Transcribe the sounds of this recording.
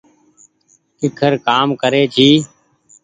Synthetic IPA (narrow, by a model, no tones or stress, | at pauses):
ɪkʰəɾkaːmkəɾeːt͡ʃʰiː